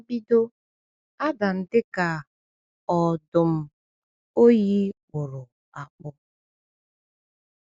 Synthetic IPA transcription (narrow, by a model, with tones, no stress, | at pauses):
bi˦do˦ | a˦da˨n̩˨dɪ˦ka˨ | ɔ˨dʊ˨m̩˦ | o˦ji˦k͡pʊ˨ɾʊ˨ | a˨k͡pʊ˦